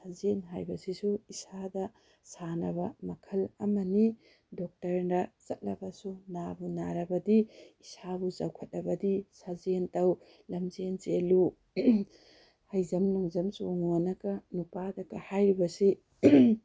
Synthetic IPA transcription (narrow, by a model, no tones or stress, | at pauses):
sazenɦajbɐsisuisadɐ | sanɐbɐmɐkʰɐlɐmɐni | dɔk̚tɐɾndɐsɐt̚lɐ̰bɐsunabunaɾɐbɐdiisabuzawkʰɐt̚lɐbɐdisazentɐw | lɐmzenzelu | hɐjzɐmnuŋzɐmsuoŋonɐkɐnupadɐkɐhajɾibɐsi